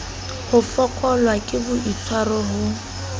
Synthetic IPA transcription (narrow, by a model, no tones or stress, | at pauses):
hʊfɔkʼɔlwakʼɪbʊʔit͡sʰwarɔɦʊ